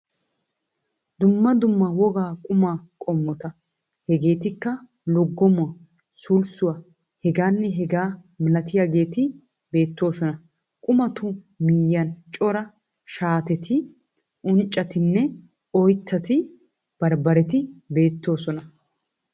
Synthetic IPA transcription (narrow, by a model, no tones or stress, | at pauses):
d̪ʊmːɐd̪ʊmːɐwɔɡaːkʼʊmaːkʼɔmːɔt̪ɐ | hɛɡe̞ːt̪ɪkːɐ | lɔɡːɔmʊɐ | sʊlsʊwɐ | hɛɡaːnːɛɦɛɡaː | mɪlɐt̪ɪjaːɡe̞ːt̪ɪ | be̞ːt̪ːo̞ːsɔnɐ | kʼʊmɐt̪ʊ | miːjɐnt͡ʃʼɔɾɐ | ʃaːt̪ɛt̪ɪ | ʔʊnt͡ʃʼːɐt̪ɪnːɛ | ɔjt̪ːɐt̪ɪ | b̥ɐɾbɐɾɛt̪ɪbe̞ːt̪ːo̞ːsɔnɐ